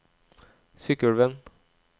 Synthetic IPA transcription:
sʏkəlʋɛn

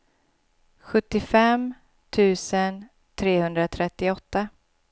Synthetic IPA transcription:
ɧɵt̪ːɪfɛm | t̪ʰʉ̟ːsən | t̪ʰɾeːhɵnd̪ɾat̪ʰɾɛt̪ːɪɔt̪ːa

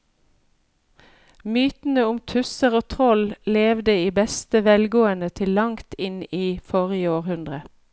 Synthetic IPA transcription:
myːt̪n̩əʊmt̪ʰʉsəʁoːt̪ʰʁɔlleːʋd̪əiːbɛst̪əʋɛlɡoːənət̪ʰɪllɑŋt̪ɪniːfɔʁɪəoːʁhʉnd̪ʁə

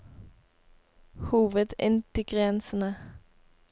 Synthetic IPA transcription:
huːʋəd̪ɪ̰nt̪ɪɡʁɛnsən̩ə

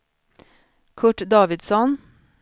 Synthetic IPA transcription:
kʰʊʈd̪ɑːʋɪd̪sɔn

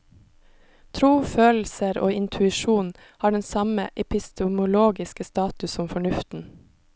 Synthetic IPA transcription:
t̪ʰɾuːføːl̩səɾo̰ːɪnt̪ʰʉɪʃuːn | hɑːɖɛnsɑmə̰ʔɛpɪst̪ʊmʊloːɡɪskəst̪ɑːt̪ʉsɔmfɔɳʉft̪n̩

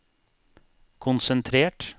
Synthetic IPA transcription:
kʰʊnsənt̪ʰɾeːʈ

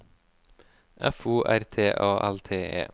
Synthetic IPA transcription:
ʔæfuːʔæɾt̪ʰeːʔɑːʔælt̪ʰeːḛː

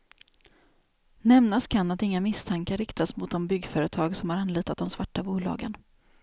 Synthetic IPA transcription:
nɛmnaskʰanat̪ɪŋːamɪst̪ʰaŋkaɾɪkt̪asmʊt̪̚d̪ɔmbʏɡːfœːɾət̪ʰɑːɡsɔmhaɾanliːt̪at̪̚d̪ɔmsvaʈːabuːlɑ̰ːɡən

